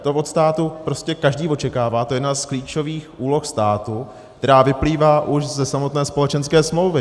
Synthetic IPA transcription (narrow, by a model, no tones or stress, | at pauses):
t̪o̞vo̞t̪st̪aːt̪upɾo̞scɛkaʒdiːvo̞t͡ʃɛkaːvaːt̪ojɛdnaskliːt͡ʃo̞viːxʔuːlo̞xst̪aːt̪u | kt̪ɛɾaːvɪpliːvaːʔuʃzɛsamo̞t̪nɛːspo̞lɛt͡ʃɛnskɛːsmlo̞wvɪ